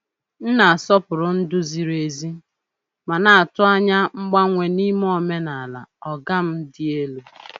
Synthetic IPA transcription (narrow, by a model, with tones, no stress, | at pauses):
n̩˦na˨a˨sɔ˦pʊ˨ɾʊ˨n̩˦dʊ˦zi˨ɾe˨zi˦ | ma˨na˨a˨tʊ˦a˦ɲa˦ŋ͡m̩˦ɡ͡ba˦ŋʷe˨ni˦m˦ɔ˨me˦na˨la̰˨ɔ˨ɡa˦m̩˦dɪ˦e˦lu˨